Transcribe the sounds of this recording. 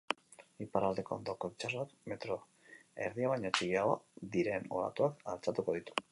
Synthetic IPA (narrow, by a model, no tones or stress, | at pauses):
ipaɾald̪e̞ko̞̰nd̪o̞ko̞βit͡ʃasoat̪me̞t̪ɾo | ḛɾðiaβajɲot͡ʃiɣiaɣod̪iɾeno̞̰ɾa̰t̪uakalt͡sat̪uko̞ð̞it̪u̥